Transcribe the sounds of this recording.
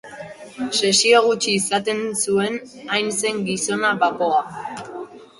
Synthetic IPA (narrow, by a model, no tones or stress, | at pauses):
se̞sioɣ̞ut͡ʃiːsat̪e̞nsue̞n | ajnse̞ŋɡiso̞naβako̞a